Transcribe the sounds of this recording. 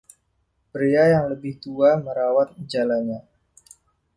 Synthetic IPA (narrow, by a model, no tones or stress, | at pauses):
pɾiajaŋləbɪht̪uaməɾawat̪̚d͡ʒalaɲa